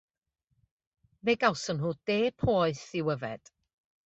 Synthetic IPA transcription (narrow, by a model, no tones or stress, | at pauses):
veːɡawsənɦuːd̥eːpʰoːɨθɪwəvɛ̰d̥